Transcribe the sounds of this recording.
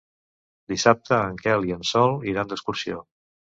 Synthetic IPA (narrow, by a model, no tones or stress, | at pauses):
d̪isap̚t̪əəŋkɛliənsɔlˠiɾand̪əskuɾsio